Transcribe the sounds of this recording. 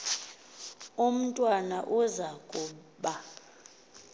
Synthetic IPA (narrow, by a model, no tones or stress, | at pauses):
um̩tʼwanaʔuzaɡ̥ʱʼu | ɓa